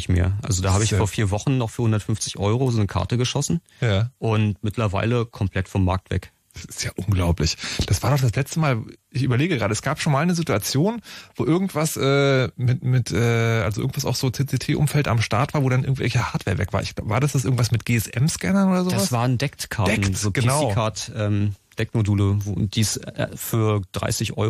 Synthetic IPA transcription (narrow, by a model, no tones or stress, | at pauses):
ɪçmḛːɐʔa̰lzodaːhaːbəɪçfoːɐfiːɐvɔχn̩nɔχfyːɐhʊndɐtfʏɱft͡sɪçʔɔʏʁozoːnəkʰa̰ɐtəɡəʃɔsn̩ | jaːʔʊntmɪtlɐva̰ɪləkʰɔmpʰl̥ɛtfɔmːa̰ɐk̚tv̥ɛ̰k | d̥asɪ̥stjaːʔʊnɡlaʊplɪçd̥asv̥aːɐdɔχd̥aslɛt͡stəmaːlʔɪçʔyːbɐleːɡəɡʁaːdəɛsɡ̥aːpʃoːnmaːlnəzituat͡sjoːnvoːʔɪɐɡŋ̩tv̥asʔɛːmɪtmɪtʔɛːʔa̰lzoʔɪ̰ɡŋ̩v̥asaʊxz̥oːt͡seːt͡seːtʰeːʔʊ̰mfɛlta̰mʃtaɐtv̥aːɐvoːɾanʔɪɐɡŋ̩tvɛ̰lçəhaːɐtv̥eːɐvɛ̰kv̥aːɐɪçɡ̥laʊbəvaːɐdasd̥as̬ʔɪɐɡŋ̩tv̥asmɪtɡ̥eːɛsʔɛ̰mskɛnɐnoːdɐzoavsasv̥aːn̩dɛktkʰaɐdɛn̩kzoːɡ̥ənaʊkʰaɐtʔɛːmd̥ɛk̚moduːləv̰d̥iːsfyːɐd̥ʁa̰ɪsɪçʔɔ̰